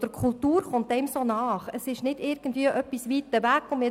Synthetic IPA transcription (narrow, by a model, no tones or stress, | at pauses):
d̥əɾkʰʊltuːɾχʊnt̚d̥ɛmsoːnɑːχəsɪʃnɪdɪɾɡən̩dviəʔœpːisʋiːt̪ːəʋækʊmɪ